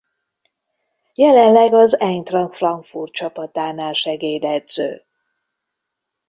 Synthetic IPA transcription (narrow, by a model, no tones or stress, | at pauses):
jɛlɛnlɛɡɒzɛɲt̪rɒŋkfrɒŋkfurt̪̚t͡ʃɒpɒt̪aːnaːlʃɛɡeːd̪ɛd̪z̥ø̰ː